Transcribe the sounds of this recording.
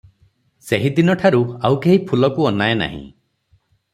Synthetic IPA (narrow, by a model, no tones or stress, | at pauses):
seɦid̪inɔʈʰaɾuawkeɦipʰulɔkuɔnaena̰ɦḭ̃